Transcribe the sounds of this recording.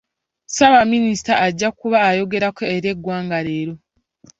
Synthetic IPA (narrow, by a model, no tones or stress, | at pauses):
saβaminisi̥taʔːɟːakuβaːjo̞ɡe̞ɾakoːɾe̞ɡwaːŋɡaɾe̞ːɾo̞